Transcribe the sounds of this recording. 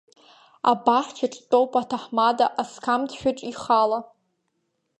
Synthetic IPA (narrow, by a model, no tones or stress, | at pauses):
a̰baħʷt͡ʃʰaʈ͡ʂʼtʼowpʼatʰaħmadaʔaskʰamtʃʷᶣaʈ͡ʂʼiχala